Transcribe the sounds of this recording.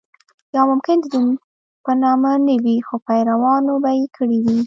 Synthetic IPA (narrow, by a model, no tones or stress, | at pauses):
jɑmʊmkɪnd̪d̪un | pənɑmanawixopajɾawɑnobajekʰəɽid̪i